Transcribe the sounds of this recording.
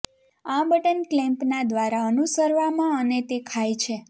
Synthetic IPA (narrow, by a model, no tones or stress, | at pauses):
ãbəʈənklɛ̃mpnad̪ʋaɾaənusəɾʋamãənet̪ekʰajt͡ʃʰe